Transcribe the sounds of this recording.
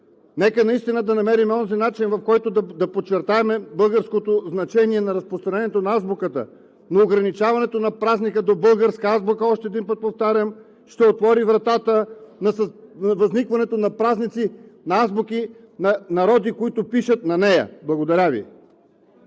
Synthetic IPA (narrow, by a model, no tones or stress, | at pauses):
nɛkənɐist̪inəd̪ɐnɐmɛɾimɛɔnzinat͡ʃinvɐfkɔjt̪od̪ɐd̪ɐpott͡ʃːɛɾt̪aɛmɛbɤlˠɡəɾskot̪oznɐt͡ʃɛniɛnɐɾɐspɾost̪ɾɐnɛnɛt̪onɐazbokət̪ə̰ | noːɡɾɐnit͡ʃavɐnɛt̪onɐpɾaznikəd̪obɤlˠɡəɾskəazbokəɔʃt̪ɛːd̪inpət̪̚poft̪aɾʲəm | ʃt̪ɛot̪vɔɾivɾɐt̪at̪ənɐsɐvɐznikvɐnɛt̪onɐpɾaznit̪sinɐazboki | nɐnɐɾɔd̪ikoit̪ʊpiʃət̪nɐnɛjə̰blˠɐɡod̪ɐɾʲavḭ